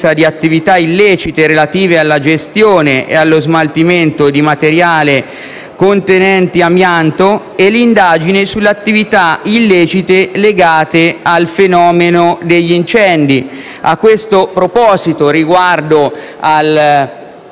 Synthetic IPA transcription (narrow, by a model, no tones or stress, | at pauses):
sad̪iat̪ːivit̪ailːɛːt͡ʃit̪eɾelat̪iːvealːad͡ʒest̪joːneʔḛalːozmalt̪iment̪od̪imat̪eɾjaːle | kont̪enɛnt̪iamjant̪o | ɛlːind̪aːd͡ʒinesulːeat̪ːivit̪ailːeːt͡ʃit̪eleɡaːt̪ealfenɔːmenod̪eʎːint͡ʃɛnd̪i | akːwest̪opɾopɔːzit̪oɾiɡward̪o | al